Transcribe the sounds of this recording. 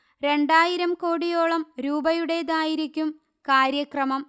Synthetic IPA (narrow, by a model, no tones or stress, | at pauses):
ɾe̞ɳɖaːjiɾɐmko̞ːɽijo̞ːɭɐmɾuːbɐjuɽe̞d̪aːjiɾikʲːum | kaːɾjɐkrɐmɐm